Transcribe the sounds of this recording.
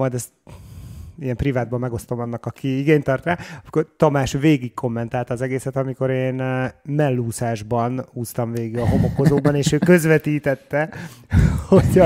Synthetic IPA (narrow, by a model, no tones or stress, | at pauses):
mɒjd̪ɛst̪ | ijɛmprivaːd̪̚bɒmːɛɡo̞st̪o̞mɒnːɒkɒkʰiiɡeːɲt̪ɒrt̪raːɒmi̥kort̪ɒmaːʃveːɡikkʰo̞mːɛnt̪aːlt̪ɒːzɛɡeːsɛt̪ɒmiko̞ɾeːnmɛlːuːsaːʒbɒnuːst̪ɒmveːɡiɡɒɦo̞mo̞ko̞zoːbɒneːʃøːkø̞zʋɛt̪iːt̪ɛt̪ːɛ | hoɟɒ